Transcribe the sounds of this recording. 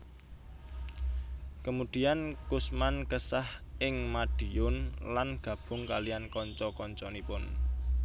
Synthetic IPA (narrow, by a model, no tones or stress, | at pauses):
kəmud̪̥i̤ankʊsmankəsahʔɪŋmad̥i̤jʊnlanɡ̥a̤b̥ʊ̤ŋkaliankɔɲt͡ʃɔkɔɲt͡ʃɔnipʊn